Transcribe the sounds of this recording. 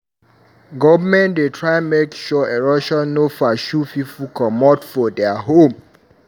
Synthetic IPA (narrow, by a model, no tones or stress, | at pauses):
ɡɔvəmɛ̃ndetʰɹajnmekʃɔeɹɔʃanofaʃufifukʰɔmɔtfɔdɛaɦõm